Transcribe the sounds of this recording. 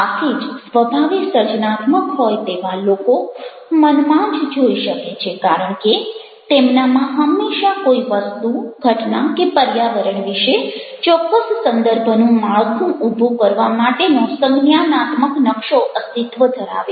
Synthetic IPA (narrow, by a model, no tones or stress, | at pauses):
at̪ʰid͡ʒsʋəbʱaʋisəɾt͡ʃnat̪məkɦojt̪eʋaloko | mənmãd͡ʒd͡ʒoiʃəket͡ʃʰekaɾəɳke | t̪emnamãɦəmːeʃakoiʋəst̪uɡʱəʈnakepəɾjaʋəɾəɳʋiʃe | t͡ʃɔkːəssənd̪əɾbʱənũmaɭkʰũʔubʱukəɾʋamaʈenõsəŋɡnjanat̪məknəkʃoʔəst̪it̪ʋəd̪ʱəɾa̰ʋe